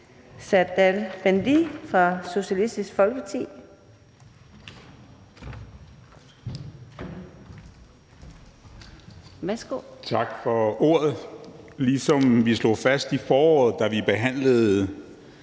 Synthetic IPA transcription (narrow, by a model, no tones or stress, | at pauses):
sæd̥ælb̥ænd̥ifʁɑ̈so̝ɕælisd̥isɡ̥fɒ̽lɡ̥əɑt͡sʰḭː | ʋæsɡ̥o̰t͡sʰɑ̈ɡ̥fɒ̽o̝ːɐð̩ˠlisɒ̽mʋislo̝̰fæsd̥ifɒːɒ̰ːð̩ˠd̥æʋib̥e̝ɦæn̰ləð̩ˠ